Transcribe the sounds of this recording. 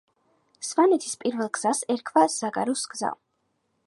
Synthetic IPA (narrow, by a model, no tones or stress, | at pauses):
svanɛt̪ʰi̥spʼiɾvɛlˠɡz̥asɛɾkʰvaz̥aɡʼa̰ɾusɡza̰